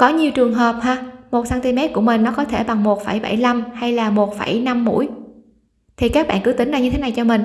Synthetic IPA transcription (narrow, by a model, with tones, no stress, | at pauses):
kɔ˨˦ɲi˨˩əwt͡ɕɨ˨˩əŋɦəː˨˩p̚haː˧mo˨˩t̚saː˧nt̪i˧mɛ˦˥t̚ku˧˩əmï˨˩ŋ̟nɔ˨˦kɔ˨˦t̪ʰe˧˩ɓa˨˩ŋmo˨˩t̚fa˧˩jɓa̰˧˩jla˧mha˧jlaː˨˩mo˨˩t̚fa˧˩jna˧mːṵ˧˥˨j | t̪ʰi˨˩kaː˦˥k̚ɓa̰ː˧˨nkɨ˨˦t̪ï˨˦ŋ̟ɗa˧wɲɨ˧e˨˦na˨˩jt͡ɕɔ˧mï˨˩ŋ̟